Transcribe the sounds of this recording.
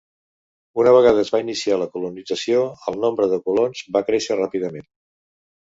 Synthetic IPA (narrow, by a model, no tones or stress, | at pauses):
unəβ̞əɣaðəːzβainisialəkulunid͡zəsioəlˠnombɾəðəkulonzβakɾeʃərapiðəmen